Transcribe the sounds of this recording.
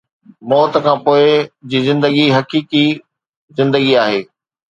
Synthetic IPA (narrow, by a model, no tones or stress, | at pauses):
mɔːt̪əkʰãːpoːɪd͡ʑiːzɪ̃nd̪əɡiɦɐkiːki | zɪ̃nd̪əɡiaːɦeː